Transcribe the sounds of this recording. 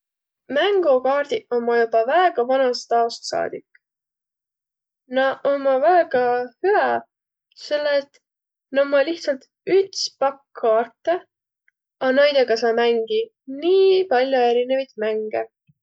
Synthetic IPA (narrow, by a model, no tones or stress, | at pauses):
mæŋɡ̥ukɑːrd̪̥iʔomːɑjubɑvæeɡ̥ɑvɑnɑst̪ɑost̪sɑ̰ːd̪̥ikːˑ | nɑomːɑvæeɡ̥ɑhyæ | se̞lːet̪ | nomːɑliht̪sɑlt̪ | yt̪spɑkːɑːrt̪ːe | ɑnæjd̪̥eɡ̥ɑs̬ɑːmæŋɡ̥i | niːpɑlʲjoe̞ɾinevɑjt̪mæŋɡ̥e